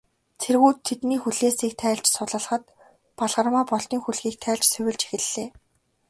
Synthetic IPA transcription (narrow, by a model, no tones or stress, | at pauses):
t͡sʰerɣuːt̪ʰːet̪niːxuɮeːsiːk̚t̪ʰæːɮt͡ɕsʊɮə̆ɮχə̆t̪ | paɮʁə̆rmaːpɔɮt̪iːŋxuɮɣiːk̚t̪ʰæːɮt͡ɕsɵwʲɪ̆ɮt͡ɕe̥xɘ̆ɮːeː